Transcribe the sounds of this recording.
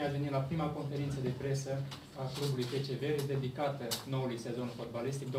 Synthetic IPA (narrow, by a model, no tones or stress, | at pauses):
asvenimlapɾimako̞nfe̞ɾint̪səd̪e̞pɾe̞sə | aklubulujpe̞t͡ʃe̞ve̞ɾed̪e̞d̪ikat̪əno̞ulujse̞zo̞nfo̞t̪̚balist̪ik̚d̪o